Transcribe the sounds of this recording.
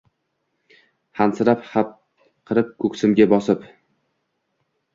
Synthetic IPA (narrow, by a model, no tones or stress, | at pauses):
hansɪɾaphap̚ | qʰɨɾɪp̚kʰɵksɪmɡʲabɒsɪp